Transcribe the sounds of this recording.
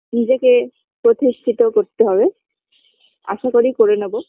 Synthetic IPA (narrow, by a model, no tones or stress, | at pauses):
nid͡ʑeke | pɾot̪ist̪ʰit̪ɔkoɾt̪eɦɔbe | a̰ʃakoɾikoɾenɔbo